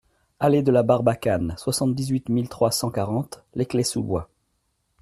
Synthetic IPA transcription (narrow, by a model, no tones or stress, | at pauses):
aled̪əlabaʁbakanswasɑ̃t̪̚d̪izɥit̪milt̪χwasɑ̃kaʁɑ̃t̪leklesubwa̰